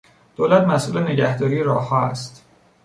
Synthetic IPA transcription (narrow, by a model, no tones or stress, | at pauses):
d̪̥oːlæt̪mæsʔuːlene̞ɟæhd̪ɒːɾiːeɾɒ̰ːhːɒːæst̪